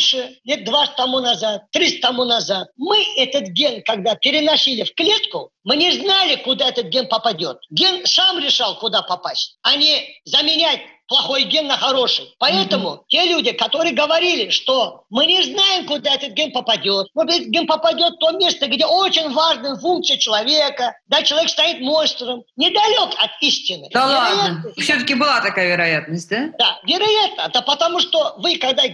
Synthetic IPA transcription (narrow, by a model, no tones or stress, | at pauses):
ʂɨlʲe̞t̪̚d̪vat̪ːɐmunɐzat̪ːɾʲist̪ːɐmunɐzat̪̚mɨɛt̪ət̪ɡʲenkɐɡd̪apʲɪɾʲɪnɐsʲilʲɪfklʲe̞t̪kʊmɨnʲɪznalʲɪkʊd̪aɛt̪ət̪̚ɡʲe̞npəpɐdʲo̞t̪̚ɡʲe̞nsamɾʲɪʂalˠkʊd̪apɐpasʲt̚ʲɐnʲezəmʲɪnʲætʲplˠɐxo̞jɡʲe̞nːəxɐɾo̞ʂɨjpɐɛt̪əmʊtʲe̞lʲudʲɪkɐt̪o̞ɾɨjəɡəvɐɾʲilʲɪʂt̪omɨnʲɪznajɪmkʊd̪aɛt̪ət̪̚ɡʲenpəpɐdʲot̪not̪ɛt̪ɡʲɪnpəpɐdʲo̞t̪t̪ːo̞mʲe̞st̪əɡdʲeot͡ɕɪnʲvaʐnəjəfuŋk̪̚sɨjət͡ɕɪlˠɐvʲe̞kəd̪at͡ɕɪlˠɐvʲekst̪ajit̪mo̞nst̪ɾəmnʲɪd̪ɐlʲo̞kɐt̪isʲtʲɪnɨ̰d̪avlˠɪajat̪nəfsʲɵt̪əkʲɪbɨlˠat̪ɐkajəvʲɪɾɐjat̪̚nəsʲt̚ʲd̪ad̪̥avʲɪɾɐjat̪nəd̪əpət̪ɐmuʂt̪o̞vɨkɐɡd̪a